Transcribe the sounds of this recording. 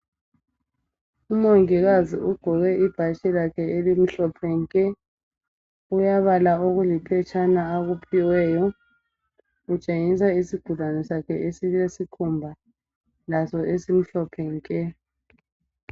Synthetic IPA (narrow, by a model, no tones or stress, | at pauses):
umoŋiɣaziuɡ̥ʱɔɣɛʔib̥ʱaʃɛlakʰɛelim̩ɬɔpʰɛŋkʼɛ | ujaβalaoɣulipʰɛt͡ʃʰʼanaːɣupʰiwɛːjɔ | ut͡ʃʼeŋisaisiɡ̥ʱulanɛsakʰɛʔesilesikʰumbʱa | lasɔʔesim̩ɬɔpʰɛŋkʼɛ